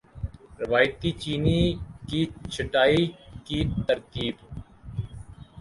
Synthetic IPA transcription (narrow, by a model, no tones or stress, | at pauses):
ɾɪʋaːjt̪iːt͡ʃiːniːkiːt͡ʃʰɪʈaːiːkiːt̪əɾkiːb